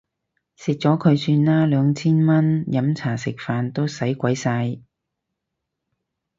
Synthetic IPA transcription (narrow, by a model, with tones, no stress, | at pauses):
sɪ˨k̚t͡sɔː˨˥kʰɵ˨˧ɥsyː˧nlaː˥lœː˨˧ŋt͡sʰiː˥nmɐ˥njɐ˨˥mt͡sʰaː˨˩sɪ˨k̚faː˨nt̪o˥wsɐ˨˥jkʷɐ˨˥jsaː˧j